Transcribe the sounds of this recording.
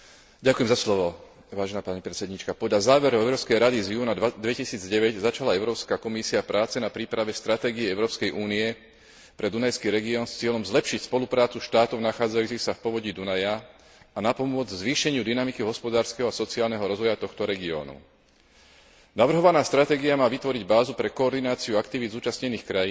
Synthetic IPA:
ɟakujɛmzaslɔʋɔ | ʋaːʒɛnaːpaɲipɾɛt͡sɛd̪ɲiːt͡ʃkapɔd̪ʎazaːʋɛɾɔɛʊɾɔːpskɛjɾad̪izjuːnad̪ʋɛcisiːd͡zɟɛʋɛɟzat͡ʃalaɛʊɾɔːpskakɔmisiapɾaːt͡sɛnapɾiːpɾaʋɛst̪ɾat̪ɛːɡiɛɛʊɾɔːpskɛjʔuːniɛ | pɾɛd̪unajskiːɾɛɡiɔːnst͡sɪɛʎɔmzlɛpʃicspɔlupɾaːt͡suʃt̪aːt̪ɔʊnaxaːd͡zajuːt͡sixsafpɔʋɔɟiːd̪unaja | anapɔmʊɔd͡zzʋiːʃɛɲɪud̪inamikiɦɔspɔd̪aːɾskɛɦɔasɔt͡siaːlnɛɦɔɾɔzʋɔjat̪ɔxt̪ɔɾɛɡiɔ̰ːnṵ | naʋr̩ɦɔʋanaːst̪ɾat̪ɛːɡiamaːʋit̪ʋɔɾiɟbaːzupɾɛkɔːɾd̪inaːt͡siuakt̪iʋid̪zuːt͡ʃasɲɛniːxkɾajiː

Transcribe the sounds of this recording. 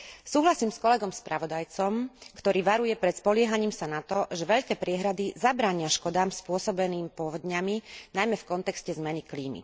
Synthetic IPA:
suːɦlasiːmskɔlɛɡɔmspɾaʋɔd̪ajt͡sɔmkt̪ɔɾiːʋaɾujɛpɾɛt̪spɔlɪɛɦaɲiːmsanat̪ɔʒɛʋɛʎkɛːpɾɪɛɦɾad̪izabɾaːɲɪaʃkɔd̪aːmspʊɔsɔbɛniːmpɔʋɔd̪ɲaminajmɛfkɔnt̪ɛkscɛzmɛnikliːmḭ

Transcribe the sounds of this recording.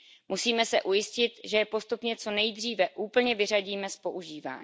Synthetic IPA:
musiːmɛsɛ̰ʔujɪscɪt̪ʒɛjɛpo̞st̪upɲɛt͡so̞nɛjd̪r̝iːvɛʔuːpl̩ɲɛvɪraɟiːmɛspo̞ʔuʒiːva̰ːɲ

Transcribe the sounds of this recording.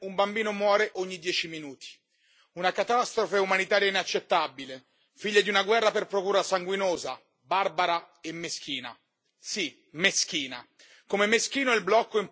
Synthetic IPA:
umbambiːnomwɔːɾeʔoɲːid̪jɛːt͡ʃiminuːt̪ʰi̥ | unakat̪ast̪ɾofeumanit̪aːɾjainat͡ʃːet̪ːabile | fiʎːad̪iunaɡwɛrːaperpɾokuːɾasaŋɡwinoːza | barbaɾa | emːesk̟ʰiːna̰ | si | mesk̟iːna̰ | komemeskiːnoɛlblɔkːoim

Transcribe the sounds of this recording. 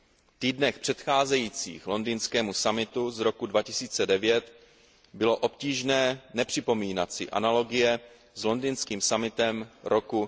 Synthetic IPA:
ft̪iːdnɛxpr̝̥ɛt̪xaːzɛjiːt͡sḭːxlo̞ndiːnskɛːmusamɪt̪uzɾo̞kudvacɪsiːt͡sɛdɛvjɛt̪ | bɪloʔo̞pciːʒnɛːnɛpr̝̥ɪpo̞miːnat̪sɪʔa̰nalo̞ɡɪjɛ | zlo̞ndinskiːmsamɪt̪ɛmɾo̞ku

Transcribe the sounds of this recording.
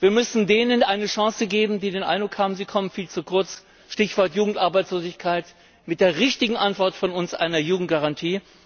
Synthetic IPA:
v̥iːɐmʏsn̩deːnənʔaɪnəʃãŋsəɡeːbm̩diːdeːnʔa̰ɪnd̥ʁʊkhaːbm̩ziːkʰɔmənfiːlt͡sukʰʊɐt͡s | ʃtɪçv̥ɔɐtjuːɡŋ̩tʔaɐbaɪt͡sloːzɪçkʰaɪt | mɪt̚d̥eːɐʁɪçtɪɡŋ̩ʔantv̥ɔɐtfɔnʊnsʔa̰ɪnɐjuːɡŋ̩t̚ɡ̥aʁantʰiː

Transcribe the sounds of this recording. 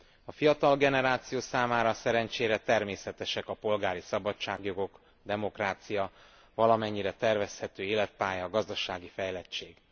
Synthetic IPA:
ɒfijɒt̪ɒlɡɛnɛɾaːt̪sijoːsaːmaːɾɒsɛɾɛɲt͡ʃeːɾɛt̪ɛrmeːsɛt̪ɛʃɛkɒpo̞lɡaːɾisɒbɒt͡ʃaːɡjo̞ɡo̞k | d̪ɛmo̞kraːt̪sijɒ | vɒlɒmɛɲːiɾɛt̪ɛrvɛshɛt̪øːeːlɛt̪̚paːjɒɡɒzd̪ɒʃaːɡifɛjlɛt͡ʃːeːɡ

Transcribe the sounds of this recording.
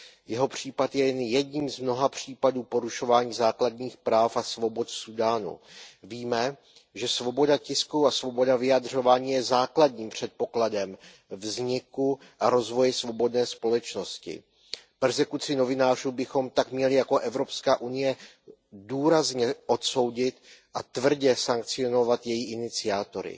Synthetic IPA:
jɛɦo̞pr̝̥iːpat̪jɛjɛnjɛdɲiːmzmno̞ɦapr̝̥iːpaduːpo̞ɾuʃo̞vaːɲiːzaːkladɲiːxpɾaːfasvo̞bo̞t̪sudaːnṵviːmɛ | ʒɛsvo̞bo̞dacɪskuasvo̞bo̞davɪjadr̝o̞vaːɲiːjɛzaːkladɲiːmpr̝̥ɛt̪̚po̞kladɛm | vzɲɪku | ʔaɾo̞zvo̞jɛsvo̞bo̞dnɛːspo̞lɛt͡ʃno̞scɪ̰ | pɛrzɛkut͡sɪno̞vɪnaːruːbɪxo̞mt̪akmɲɛlɪjako̞ʔɛvɾo̞pskaːʔunɪjɛ | duːɾazɲɛʔo̞t̪so̞wɟɪt̪ʔat̪vr̩ɟɛsaŋkt͡sɪo̞no̞vat̪jɛjiʔɪnɪt͡sɪaːt̪o̞ɾɪ̰

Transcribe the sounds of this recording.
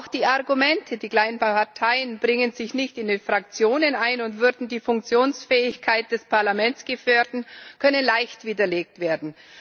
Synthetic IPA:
ʔaʊxd̥iːaʁɡumɛntʰədiːkl̥aɪənpaɐtʰaɪənbʁɪŋənzɪçnɪçtɪndenfʁ̥ak̚t͡sjoːnənaɪnʊntv̥ʏɐdn̩diːfʊŋk̚t͡sjoːnsfɛːɪçkʰaɪt̚d̥ɛspʰaɐlamɛnt͡sɡ̥əfœɐdn̩kʰœnənlaɪçtv̥iːdɐleːk̚tv̥eːɐdn̩

